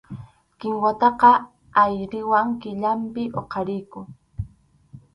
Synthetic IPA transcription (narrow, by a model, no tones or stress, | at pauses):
kɪŋwat̪ɑqɑ | ajɾɪwaŋkɪʎampɪʔoqɑɾɪjkʊ